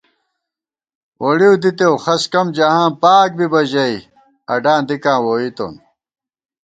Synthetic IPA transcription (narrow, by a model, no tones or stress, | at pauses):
wʔoɽiud̪it̪ewxɐskɐmd͡ʑɐɦãːnpaːk̚bibɐʑɐi | ɐɖãːnd̪ikãːwoːit̪o̰n